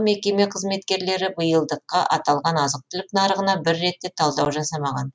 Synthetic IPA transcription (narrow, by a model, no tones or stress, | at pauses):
me̞kʲe̞me̞qʰəzme̞t̪kʲe̞ɾle̞ɾɪbəjəlˠd̪əqːɑʔɑt̪ɑlˠʁɑnɑzəq̚t̪ʰɪlɪpnɑɾəʁənɑbɪɾːe̞t̪ːe̞t̪ʰɑlˠd̪ɑwʒɑsɑmɑʁɑn